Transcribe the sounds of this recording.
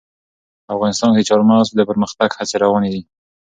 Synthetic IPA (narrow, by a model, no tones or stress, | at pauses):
afɣɑnɪst̪ɑnkd̪ət͡ʃɑɾmɑzd̪əpəɾməxt̪aɡhat͡seɾawɑned̪i